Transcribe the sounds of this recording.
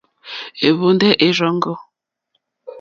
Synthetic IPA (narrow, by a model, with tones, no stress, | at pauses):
e˨βo˨ndɛ˦ʔe˨ɾɔ˨˦ŋ˦ɡɔ˦